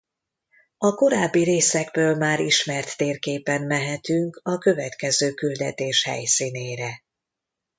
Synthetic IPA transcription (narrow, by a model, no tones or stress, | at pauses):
ɒko̞ɾaːbːiɾeːsɛɡbøːlmaːɾiʃmɛrt̪ːeːrkeːpɛnmɛɦɛt̪yŋkɒkø̞vɛt̪kɛzøːkyld̪ɛt̪eːʃhɛ̰jsiːneːɾɛ